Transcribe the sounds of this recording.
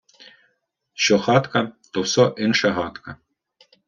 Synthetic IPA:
ʃt͡ʃɔxɑt̪kɐt̪ɔwsɔʔinʃɐɦɑt̪kɐ

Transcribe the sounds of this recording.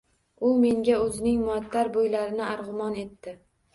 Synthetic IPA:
ʊme̞ŋɡʲaɵzɪnɪŋmʊat̪ʰːaɾbojlaɾɪnɪaɾʁʊmɒne̞t̪ːɪ

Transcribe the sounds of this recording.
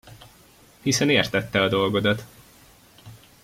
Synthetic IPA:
hisɛneːrt̪ɛt̪ːɛɒd̪o̞lɡo̞d̪ɒt̪

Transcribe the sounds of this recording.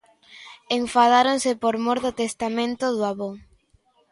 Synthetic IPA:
eɱfaðaɾonsɪpoɾmoɾðot̪est̪amẽnt̪oðwaβoŋ

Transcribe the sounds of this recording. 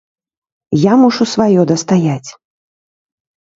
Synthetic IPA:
jamuʂusvajɔd̪ɐst̪ajat͡sʲ

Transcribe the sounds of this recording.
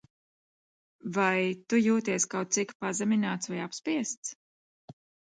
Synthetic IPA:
vajt̪ujuːt̪iɛskawt̪̚sikpazɛmʲinaːt̪svajapspiɛst̪s

